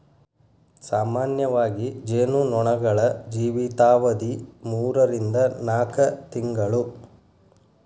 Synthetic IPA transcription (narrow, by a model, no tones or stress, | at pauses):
saːmaːnjɐʋaːɡid͡ʒeːnunɔɳɐɡɐɭɐd͡ʒiːʋit̪aːʋɐd̪imuːɾɐɾind̪ɐnaːkɐt̪iŋɡɐɭu